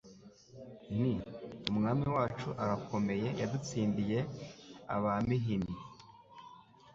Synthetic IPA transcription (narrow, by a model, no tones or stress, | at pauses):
n̥iumŋaːmiwaːt͡ʃuʔaɾakʰo̞me̞je̞jadut͡siːndije̞a̰βamiɦini